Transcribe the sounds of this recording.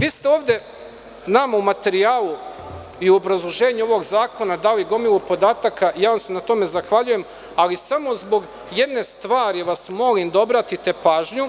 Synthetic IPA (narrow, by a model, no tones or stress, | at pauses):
ʋiːst̪e̞o̞ːʋd̪e̞ | namaumat̪e̞ɾiaːlu | iuobɾazlˠoʒe̞ːɲuo̞ʋo̞ɡzaːko̞nad̪aojiɡo̞milupo̞d̪aːt̪akajaːʋamsenat̪o̞me̞zaxʋaʎuje̞m | alisamo̞zbo̞ɡ | je̞d̪ne̞st̪ʋaːɾiʋasmo̞limd̪ao̞bɾat̪it̪e̞paːʒɲu